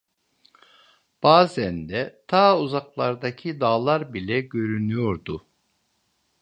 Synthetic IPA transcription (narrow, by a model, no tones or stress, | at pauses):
b̥aːzænd̪ɛt̪ʰaːuzaklˠaɾd̪acʰid̪aːlˠaɾbilʲɛɟø̞ɾynyjo̞ɾd̪ʊ